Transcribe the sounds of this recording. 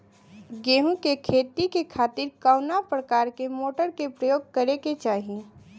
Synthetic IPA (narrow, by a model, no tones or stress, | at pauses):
ɡeːɦũkekʰeːt̪ikekʰaːt̪ɪɾkaʊnapɾəkaːɾkemoːʈəɾkepɾəjoːɡ̚kəɾeket͡ʃaːɦie